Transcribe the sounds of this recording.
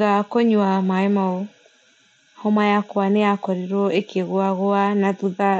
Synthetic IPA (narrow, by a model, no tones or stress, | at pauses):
akɔɲwamaemao | hɔmajakwaneakɔɾiɾɔʔekeɣoaɣoanaðuða